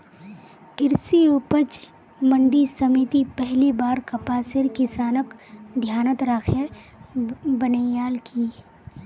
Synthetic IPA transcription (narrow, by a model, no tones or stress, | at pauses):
kɪɾsioːpət͡ʃ | mə̃ɳɖisɐmit̪ipɛɦlibaːɾkɐpaːsɪɾkɪsaːnəkd̪ʱjaːnət̪ɾaːkʰe | bənəjaːlkʰiː